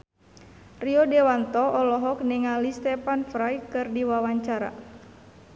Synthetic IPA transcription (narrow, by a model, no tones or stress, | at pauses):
riɔdɛwant̪ɔɔlɔɦɔk̚niŋalist̪ɛpanfɾajkɨrdiwawaɲt͡ʃaɾa̰